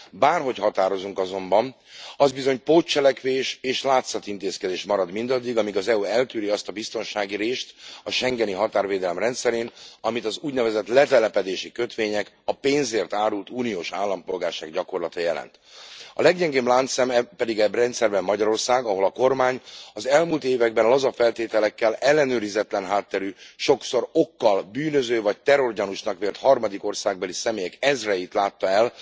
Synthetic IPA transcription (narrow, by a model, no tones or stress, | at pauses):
baːrɦo̞chɒt̪aːɾo̞zuŋkɒzo̞mbɒm | ɒzbizo̞ɲpoːt͡ʃːɛlɛkʋeːʃeːʃlaːt̪sɒt̪int̪eːskɛd̪eːʃmɒɾɒd̪mind̪ɒd̪ːiɡɒmiɡɒzɛuːɛlt̪yːɾiɒst̪ɒbist̪o̞nʃaːɡiɾeːʃt̪ɒʃɛŋɡɛniɦɒt̪aːrveːd̪ɛlɛmrɛnt̪sɛɾeːnɒmit̪ɒzuːɟnɛvɛzɛt̪lɛt̪ɛlɛpɛd̪eːʃikøt̪ʋeːɲɛk | ɒpeːnzeːrt̪aːɾult̪uːnijoːʃaːlːɒmpo̞lɡaːrʃaːɡɟɒko̞rlɒt̪ɒjɛlɛ̰nt̪ | ɒ̰lɛɡɲɛŋɡeːblaːnt̪sɛmɛpɛd̪iɡɛbrɛnt̪sɛrbɛmːɒɟɒɾo̞rsaːɡɒɦo̞lɒko̞rmaːɲɒzɛlmuːlt̪eːvɛɡ̚bɛnlɒzɒfɛlt̪eːt̪ɛlɛkːɛlɛlːɛnøːɾizɛt̪lɛnɦaːt̪ːɛɾyːʃo̞kso̞ɾo̞kːɒlbyːnø̞zøːvɒc̚t̪ɛɾorɟɛnuʃnɒkʋeːlt̪hɒrmɒd̪iko̞rsaːɡ̚bɒlisɛmeːjɛkɛzrɛjit̪laːt̪ːɒɛl